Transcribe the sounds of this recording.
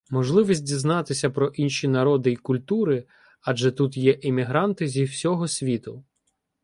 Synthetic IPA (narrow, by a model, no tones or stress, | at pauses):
mɔʒlˠɪʋʲisʲtʲdʲiznɑt̪ɪsʲɐpɾɔʔinʃʲinɐɾɔd̪ɪikʊlʲt̪uɾɪ | ɐd͡ʒɛt̪ut̪jɛʔɪmʲiɦɾɑnt̪ɪzʲiwsʲɔɦɔsʲʋʲit̪ʊ